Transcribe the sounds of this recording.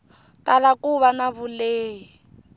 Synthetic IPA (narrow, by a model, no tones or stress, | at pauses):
talakuβanaβuleːi